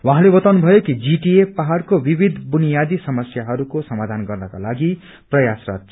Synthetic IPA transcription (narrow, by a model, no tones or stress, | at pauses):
wãɦãlebʌt̪awnubʱʌjokid͡ziʈiepːaɦarkobibʱid̪ʱbunijad̪isʌmʌsjaɦʌɾukosʌmad̪ʱanɡʌrnʌkalaɡi | prʌjasra̰t̪